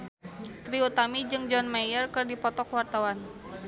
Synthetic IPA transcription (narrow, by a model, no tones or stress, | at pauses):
t̪ɾiut̪amid͡ʒɨŋd͡ʒɔnmajərkɨrdipɔt̪ɔkwart̪awan